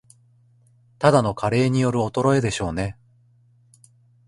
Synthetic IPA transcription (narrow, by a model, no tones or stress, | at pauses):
t̪ad̪ano̞kʰaɾe̞ːɲ̟ijo̞ɾɯ̟o̞t̪o̞ɾo̞e̞d̪e̞ɕo̞ːne̞